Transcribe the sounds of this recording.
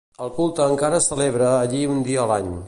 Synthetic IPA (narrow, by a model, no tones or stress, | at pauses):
əlˠkulˠt̪əːŋkaɾəsəleβɾəːʎiund̪iəːlaɲ